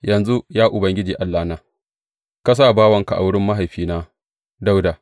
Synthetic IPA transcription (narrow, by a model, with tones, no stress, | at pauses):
jɐ˨nzu˦jaː˦ʔʊ˨bɐ˦ŋɡʲɪ˦d͡ʒiː˨ʔa˦lːaː˦naː˨˦ | ka˦s̬aː˦˨baː˦wɐ˨ŋka˨ʔa̰˨wʊ˦ɽɪ˦mːa˦ɦa˨jɸiː˦naː˦ | da˦wda˨